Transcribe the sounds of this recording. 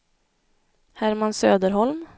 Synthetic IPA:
hæɾmansøːd̪əɾhɔlm

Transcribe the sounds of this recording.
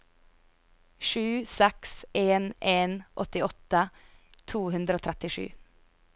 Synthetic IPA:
ʃʉːsɛkseːneːnʔɔt̪ɪɔt̪ət̪ʰuːhʉnd̪ɾəoːt̪ʰɾɛt̪ɪʃʉ̰ː

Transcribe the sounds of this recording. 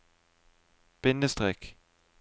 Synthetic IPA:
b̥ɪnəst̪ʁɛk

